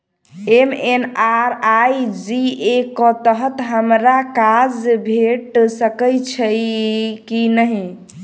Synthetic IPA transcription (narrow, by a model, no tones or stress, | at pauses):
emenaɾajd͡ʒiekɔt̪əɦət̪ɦəmɾakad͡ʒbʱeʈsəkəjt͡ʃʰəjkinəɦi